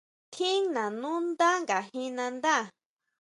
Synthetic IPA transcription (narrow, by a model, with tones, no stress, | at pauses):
t̪ʰi˦ŋnã˨nũ˦nd̪a˦ŋɡa˨ɦi˦nã˧nd̪a˦˨